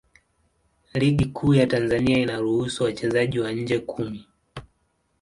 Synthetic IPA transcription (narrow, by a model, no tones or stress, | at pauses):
liɠikʰuːjatanzaniainaɾuhusuwat͡ʃɛzaʄiwaɲ̩d͡ʒɛkʰumi